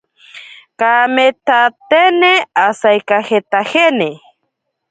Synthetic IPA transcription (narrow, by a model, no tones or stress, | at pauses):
kamet̪at̪eneasajkaxet̪axene